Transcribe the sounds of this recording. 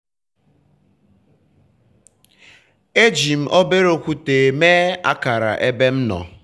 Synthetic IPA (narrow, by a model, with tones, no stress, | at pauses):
e˦d͡ʒi˨m̩˨ʔo˦be˦ɾo˨kʷu˦te˨me˦a̰˦ka˨ɾa̰˨ʔe˦be˦m̩˦nɔ̰˨